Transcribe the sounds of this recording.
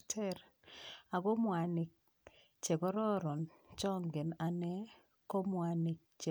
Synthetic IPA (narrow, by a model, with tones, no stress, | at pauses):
tʰɛ˦ɾ | a˨ɡo˦mwa˨nɪ˨k̚ | t͡ʃe˨ɡɔ˦ɾɔ˦ɾɔ˨nt͡ʃɔ˦ŋɡɪ˨na˨nɛ˦ | ko˦mwa˨nɪ˨k̚t͡ʃe˨